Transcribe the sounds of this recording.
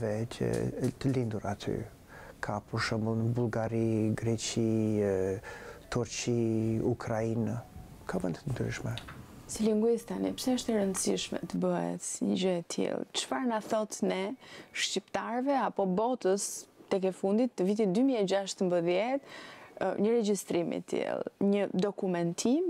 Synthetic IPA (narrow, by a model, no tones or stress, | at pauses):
vɛcʰə̰t̪əlind̪uɾat̪ʰy̰ | kʰapəɾʃɔmbəlˠnəbulˠɡaɾiɡɾɛt͡ʃi | t̪uɾt͡ʃiukʰɾain | kʰavɛ̰nd̪t̪ənd̪ɾy̰ʃmɛ | siliŋɡuist̪anḭpsɛəʃt̪ɛɾənd̪siʃmɛ̰t̪əbəɦɛ̰t̪sɲəd͡ʑəɛt̪ʰjɛ̰lˠt͡ʃə̥faɾnaθɔt̪nɛʃcipt̪aɾɛvɛapɔbɔt̪əst̪ɛk̬ɛfund̪it̪ːəvit̪̬id̪ymiɛd͡ʑaʃt̪əmbəðjɛt̪ | ɲəɾɛd͡ʒist̪ɾimḭt̪ʰjɛ̰lˠɲəd̪ɔkumɛnt̪ʰim